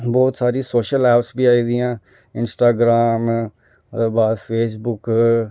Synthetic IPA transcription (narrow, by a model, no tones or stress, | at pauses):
bɔːt̪saːɾiːsoːʃəlɛːpsbiːaːiːd̪iːãː | ɪnsʈaːɡɾaːm | eːbaːd̪pʰeːs̬bʊk